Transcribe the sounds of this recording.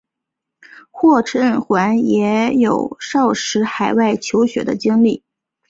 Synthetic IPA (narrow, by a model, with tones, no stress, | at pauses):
xwɔ˥˩ʈ͡ʂʰə˥nxwa˧˥njɛ˧˥jo˨˩ʊʂɑ˥˩ʊʂɻ̩˧˥xa˨˩ɪwa˥˩ɪt͡ɕʰjo˧˥ʊɕɥɛ̰˧˥d̪ə˧t͡ɕi˥ŋli˥˩